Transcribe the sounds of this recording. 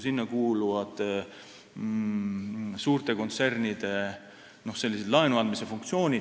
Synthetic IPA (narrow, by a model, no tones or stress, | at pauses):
sinːɑkuːluvɑd̪̥ | suːɾt̪e̞ko̞nt̪se̞rnid̪̥e̞ | no̞hse̞lːised̪lɑenuɑnd̪mise̞fuŋkt̪sio̞ːnʲi̥